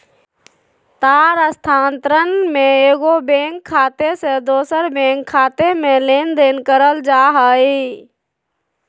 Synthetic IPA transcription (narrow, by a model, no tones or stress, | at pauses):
t̪aːɾəst̪ʰaːnt̪ɾənmẽeːɡobẽːŋkʰːaːt̪esed̪oːsəɾbẽːŋkʰːaːt̪emẽleːnd̪eːnkəɾəld͡ʒaːɦəːiː